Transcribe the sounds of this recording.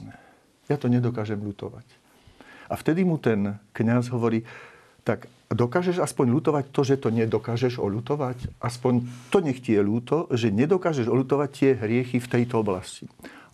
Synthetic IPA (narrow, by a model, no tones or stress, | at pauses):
jat̪ɔɲɛd̪ɔkaːʒɛmʎut̪ɔ̰ʋa̰c | ʔaft̪ɛd̪imut̪ɛnkɲazɦɔʋɔɾiː | t̪aɡ | d̪ɔkaːʒɛʒaspɔɲluːt̪ɔʋact̪ɔʒɛt̪ɔɲɛd̪ɔkaːʒɛʒɔ̰ʎut̪ɔʋacʔaspɔɲt̪ɔɲɛxcijɛʎuːt̪ɔʒɛɲɛd̪ɔkaːʒɛʒɔlut̪ɔʋact̪ɪɛɦɾɪɛxift̪ɛjt̪ɔɔblasci